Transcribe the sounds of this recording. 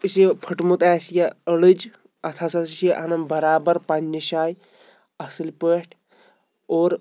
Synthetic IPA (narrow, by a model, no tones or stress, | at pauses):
ispʰɐʈmut̪aːsjɐəɽɨd͡ʒ | ɐt̪ʰasɐsiʃɐʔɐnɐmbɐɾaːbɐɾpɐnːiʃaːj | ɐsɨlʲpəːʈʰ | oːɾ